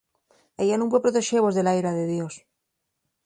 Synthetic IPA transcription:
eʎanõŋp̬wepɾot̪e̞ʃeβo̞zðe̞lajɾaðe̞ðjo̞s

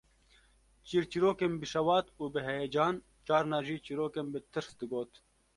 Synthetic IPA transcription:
t͡ʃiːɾt͡ʃiɾoːkembɨʃɐwɑːt̪uːbɨɦejed͡ʒɑːn | t͡ʃaːɾnɑːʒiːt͡ʃiɾoːkembɨt̪ʰɨɾsd̪ɨɡoːt̪

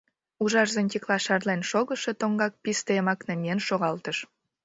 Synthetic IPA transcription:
uʒɑʒzənt̪ʲiklɑʃɑrlenʃoɣəʃe̽t̪oŋɡɑk̚pist̪eemɑknemʲienʃoɣɑlt̪əʃ

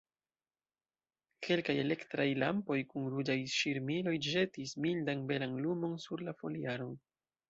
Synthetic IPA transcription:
kʰe̞lkaje̞le̞ktɾajla̰mpo̞jkunɾud͡ʒajʃiɾmilo̞jd͡ʒe̞tismildanbe̞lanlumo̞nsuɾlafo̞liaɾo̞n

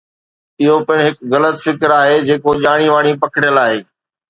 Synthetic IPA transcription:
ɪɦopɪɽ̃ɦɪkɣɐlət̪fɪkɾaːɦed͡ʑeːkoʄaːɽ̃iʋaːɽ̃ipɐkʰɪɽjəlaːɦeː

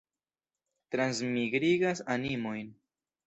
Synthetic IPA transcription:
tɾansmiɡɾiɡasanimo̞jn

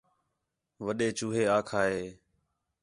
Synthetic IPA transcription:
ʋəɗeːt͡ʃuːɦeːaːkʰaːɦeː

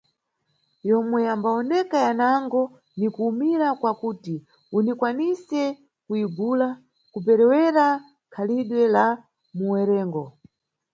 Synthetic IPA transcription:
jɔmwɛambaɔnɛkajanaŋɡɔ | nikuːmiɾakwakuːti | unikwanisɛ | kuiɡula | kup̬ɛɾɛwɛɾa | kʰaliɗwɛla | muwɛɾɛːŋɡɔ

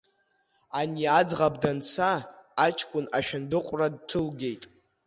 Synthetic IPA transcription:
aniad͡zʁabdant͡sʰaːt͡ʃʰkʷʼʊnaʃᶣandɨqʷʼrad̚tʰɨlɡʲe̞jtʼ

